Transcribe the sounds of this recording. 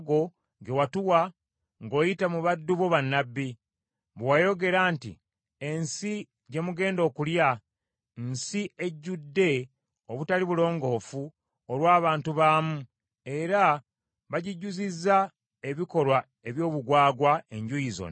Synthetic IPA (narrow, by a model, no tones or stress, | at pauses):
ɡo̞ | ɡe̞watuwa | ŋɡo̞ːjitamuβadːuβo̞βanːabːi | βwajo̞ɡe̞ɾaːntḭ | e̞nsi | ɟe̞muɡe̞ːndo̞ːkulja | nsieɟːudːe̞ | oβutaliβulo̞ːŋɡo̞ːfu | olwaːβaːntuβaːmu | e̞ɾa | βaɟiɟːuzizːa | e̞βiko̞lwa | e̞βjo̞ːβuɡwaːɡwaeɲɟujizo̰n